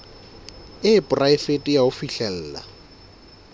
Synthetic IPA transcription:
ɪːpʼʊraɪfetʼijaʊfiɬɛl̩ːla̰

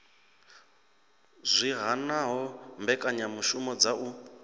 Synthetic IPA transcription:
zʷiɦanaɦɔmbɛkʼaɲamuʃumɔd͡zaʔu

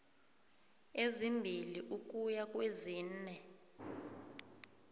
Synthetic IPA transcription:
ezimbʱiliʔuk̬ʼujak̬ʼweziːnɛ

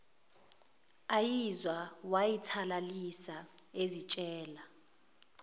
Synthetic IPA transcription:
ajizwawajitʰalalisaezit͡ʃʼɛːla

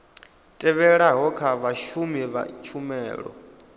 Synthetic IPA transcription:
tʼɛβɛɺaɦɔkʰaβaʃumiβa̰t͡ʃʰumɛːɺɔ̰

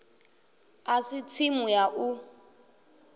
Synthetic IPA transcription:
asit͡sʰimujaʔu

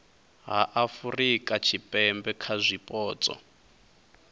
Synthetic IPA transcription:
ɦaʔafurikʼat͡ʃʰipʼɛmbɛkʰazʷipʼɔːt͡sʼɔ̰

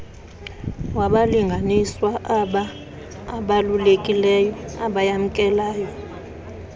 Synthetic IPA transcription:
waɓaliŋɡʱaniswaʔaɓaː | ɓalulekʼilɛjɔaɓajam̩kʼɛlaːjɔ

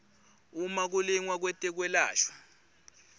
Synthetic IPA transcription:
umak̬uliŋwak̬wɛtʼɛk̬wɛla̰ːɬwa

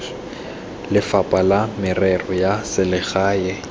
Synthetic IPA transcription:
lɪfapʼalamɪrɛrɔjasɪlɪɣaːjɛ

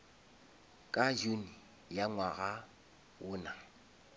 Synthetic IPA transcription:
kʼad͡ʒuni | jaŋwaɣa | wʊːna

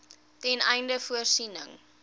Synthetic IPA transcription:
tɛnɛjndəfuərsinə̰ŋ

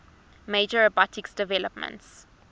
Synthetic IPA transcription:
med͡ʒəɹɔbɔtɪksd̥ɛvɛləpmə̰̃nts

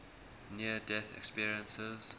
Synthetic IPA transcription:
niədɛθɛ̰kspiəɹiə̃nsəz̥

